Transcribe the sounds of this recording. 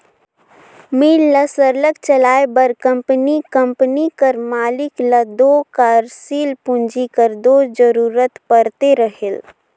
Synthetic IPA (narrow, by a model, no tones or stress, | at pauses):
milːəsəɾləkt͡ʃəlaebəɾkəmpənikəmpnikəɾmalikləd̪okaɾsilpũnd͡ʒikəɾd̪od͡ʒəɾuɾət̪pəɾt̪eɾəɦel